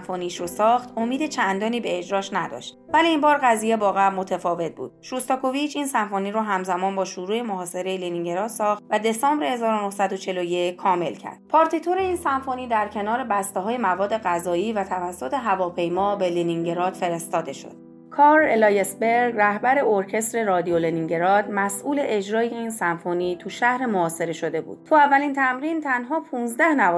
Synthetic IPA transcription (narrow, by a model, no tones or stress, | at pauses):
foniʃɾosɒːxt̪omiːd̪et͡ʃʰænd̪ɒːniːbe̞ːd͡ʒɾɒːʃnæd̪ɒ̰ːʃt̪̚væliːmbɒːɾɣæziːjebɒːɣæmo̞t̪ʰefɒːve̞t̪̚ʰbṵːd̪̥̚ʃust̪ɒkʰovit͡ʃʰiːnsænfoːniɾoɦæmzæmɒːnbɒːʃuɾuːe̞moɦɒːse̞ɾe̞jeliniŋɟeɾɒːt̪sɒːxt̪væd̪e̞sɒːmbɾehe̞zɒːɾonohsæd̪o̞t͡ʃʰe̞loje̞ckʰɒːme̞̰lcʰæ̰ɾd̪̥̚pʰɒːɾt̪ʰit̪ʰoɾe̞iːnsæɱfoniːd̪æɾcʰe̞nɒːɾe̞bæst̪eɦɒːjemævɒːd̪ːe̞ɣæzɒːiːvæt̪ʰævæsːo̞t̪ʰe̞ɦævɒːpʰe̞jmɒːbeliniŋɟe̞ɾɒːd̪̥fe̞ɾe̞st̪ɒːd̪e̞ʃo̞̰d̪̥ | kʰɒːɾelɒjesbe̞ɾɡræhbæɾe̞oɾcʰe̞st̪ɾe̞ɾɒːd̪ioleniŋɟeɾɒːd̪mæsʔuːle̞ʔed͡ʒɾɒːijeinsænfoniːt̪ʰuʃæhɾe̞moɒːse̞ɾe̞ʃo̞d̪e̞bṵːd̪̥̚t̪ʰuævːælint̪ʰæmɾint̪ʰænɦɒːpʰuːnzd̪æhnæv